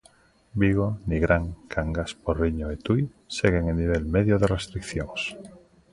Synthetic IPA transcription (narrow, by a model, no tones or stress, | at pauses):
biɣ̞oniɣɾaŋkʰaŋɡaspoɾriɲoet̪uj | seɣ̞eŋeniβ̞elmeðjoðerest̪ɾikθjoŋs